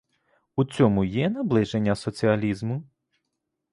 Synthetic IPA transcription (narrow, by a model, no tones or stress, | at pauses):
ut͡sʲɔmʊjɛnɐblˠɪʒenʲːɐsɔt͡sʲiɐlʲizmʊ